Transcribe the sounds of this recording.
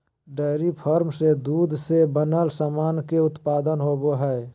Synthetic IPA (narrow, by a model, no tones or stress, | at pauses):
ɖeɪɾipʰəɾmsed̪uːd̪ʱsebənəlsamaːnkeʊt̪paːd̪ənɦoːboɦɛ